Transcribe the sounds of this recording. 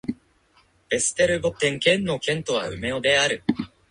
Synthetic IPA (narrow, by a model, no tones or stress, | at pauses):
b̥e̞sɨ̥t̪eɾɯ̟bot̪ẽ̞ŋkẽ̞nːo̞kẽ̞nt̪o̞β̞a̰ɯ̟̰me̞od̪e̞aɾɯ̟